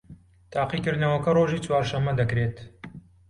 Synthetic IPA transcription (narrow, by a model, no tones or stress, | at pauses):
t̪ʰaːqikɨɾd̪nɐwɐkɐroːʒiːt͡swaːɾʃɐmːɐd̪ɐkɾeːt̪